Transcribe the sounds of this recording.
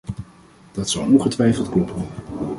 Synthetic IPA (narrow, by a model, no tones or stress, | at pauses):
d̥ɑtsawnɔnχətʋɛjfəlˠtklɔpʰən